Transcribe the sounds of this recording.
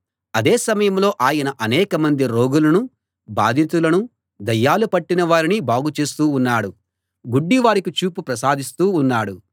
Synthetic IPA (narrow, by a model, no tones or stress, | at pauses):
ɐd̪eːsɐmɐjɐmlo̞ːʔaːjɐnɐʔɐnɛːkɐmɐnd̪iɾo̞ːɡulɐnu | ba̰ːd̪ʱint̪̬ulɐnu | d̪ɐjːaːlupɐʈːinɐʋaːɾinibaːɡut͡ʃe̞ːst̪uːnːaːɽu | ɡuɖːiʋaːɾikut͡ʃuːpupɾɐsaːd̪ʱist̪uːnːaːɽu